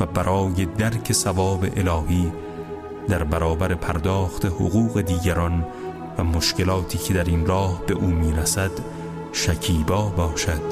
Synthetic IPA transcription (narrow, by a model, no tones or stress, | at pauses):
væbæɾʔɒːje̞d̪æɾcʰe̞sævɒːbe̞̰ʔelɒːhiː | d̪æɾbæɾɒːbæɾepʰæɾd̪ɒːxt̪ʰeho̰ɣuːɣe̞d̪iːɡæɾɒːn | væmoʃce̞lɒːt̪ʰiːkʰe̞d̪æɾinɾɒːhbe̞ʔuːmiːɾæsæd̪ | ʃæcʰiːbɒːbɒːʃæd̪̥